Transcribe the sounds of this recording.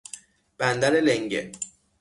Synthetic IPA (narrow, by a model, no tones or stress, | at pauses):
b̥ænd̪æleleŋɟe